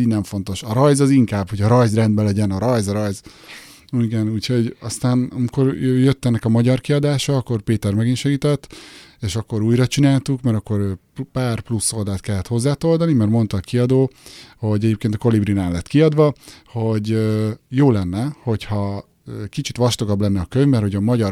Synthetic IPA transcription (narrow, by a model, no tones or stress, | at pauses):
iɟnɛɱfo̞n̪t̪o̞ʃɒɾɒjzɒziŋkaːbho̞ɟɒɾɒjzrɛnd̪bɛlɛɟɛnɒɾɒjzɒɾɒjz | uiɡɛnuːcʰho̞ɟɒst̪aːnɒmiko̞røjøt̪ːɛnːɛkɒmɒɟɒrkiɒd̪aːʃɒːkːo̞rpeːt̪ɛrmɛɡinʃɛɡiːt̪ɛt̪ːeːʃɒkːo̞ɾuːjrɒt͡ʃinaːlt̪ukmɛɾɒkːo̞ɾø | paːrplusːo̞ld̪aːt̪kɛlːɛt̪ho̞zːaːt̪o̞ld̪ɒnimɛrmo̞nt̪ɒːkiɒd̪oːho̞ɟɛɟeːp̚keːnt̪ɒ̥ko̞librinaːnlɛt̪kiɒd̪ʋɒho̞ɟøjoːlɛnːɛho̞chɒ | cʲkit͡ʃit̪ʋɒʃt̪o̞ɡɒblɛnːɛɒkøɲmɛrho̞ɟɒmɒɟɒɾ